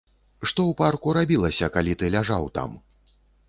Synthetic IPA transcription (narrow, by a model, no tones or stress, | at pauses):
ʂt̪ɔwparkuɾabʲilˠɐsʲɐkalʲit̪ɨlʲaʐawt̪a̰m